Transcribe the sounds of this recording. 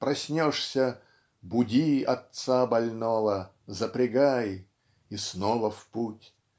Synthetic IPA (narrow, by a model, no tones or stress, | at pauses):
pɾɐsʲnʲoʂsʲə | bʊdʲiɐt̪sabɐlʲnɔvə | zəpɾʲɪɡaj | isnɔvəfputʲ